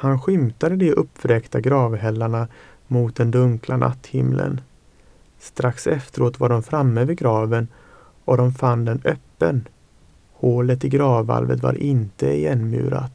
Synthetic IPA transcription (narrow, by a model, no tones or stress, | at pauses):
hanɧʏmt̪ad̪əd̪ɛʔɵpːvɾɛkt̪aɡɾɑːvɦɛlːaɳa | mʊt̪̚d̪ɛnd̪ɵŋklanʔa̰t̪ːhɪmlʔə̰n | st̪ɾaksɛft̪əɾoːt̪vaɖɔmfɾamːəvɪɡɾɑːvən | ʔɔd̪ɔmfand̪ɛnœpːən | hoːlət̪ɪɡɾɑːvːa̰lvə̰t̪va̰ɾʔɪnt̪əɪjɛnmʉ̟̰ːɾa̰t̪